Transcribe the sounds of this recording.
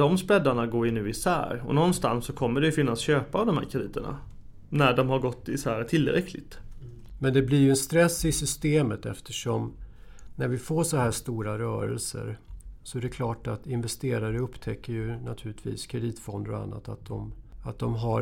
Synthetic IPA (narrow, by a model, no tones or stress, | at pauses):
dɔmspɾɛd̪ːaɳaɡoːɾɪnːʉ̟ːɪsæ̰ːɾɔ̰nɔnst̪ansːɔkʰɔmːəɖɛjɵfɪnːasɕøːpaːvd̪ɔmhæ̰ːɾkʰɾɛd̪iːt̪əɳa̰ | næɖɔmhaɾɡɔt̪ːɪsæːɾt̪ʰɪlːɾɛ̰kʰlɪ̰ɡ̚t̪ | mɛnd̪ɛblɪɾjɵɛnst̪ɾɛsːɪsʏst̪eːmət̪ɛ̰ft̪ʰəʂɔm | næɾvɪfoːʂɔhæːʂt̪uːɾaɾœːɾɛ̰lsə̰ɾsɔæɾɛkʰlɑːʈat̪ɪnvɛst̪eːɾaɾəɵpːt̪ʰɛkːəjɵnat̪ʰʉ̟ːlɪt̪ʰvḭːskʰɾɛd̪iːt̪fɔnd̪əɾɔa̰nːa̰t̪at̪̚d̪ɔmat̪̚d̪ɔmɦa